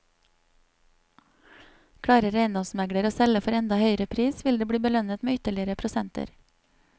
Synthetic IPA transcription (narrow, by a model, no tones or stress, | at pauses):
kʰɽɑːɾəɾeɪnd̪ɔsmæɡɽəɾoːsɛləfɔɾɛnd̪ɑhœʏəɾəpʰɾiːsʋɪld̪eːbɽiːbəlœnət̪meːʏt̪əɭɪəɾəpʰɾʊsɛnt̪ə̰ɾ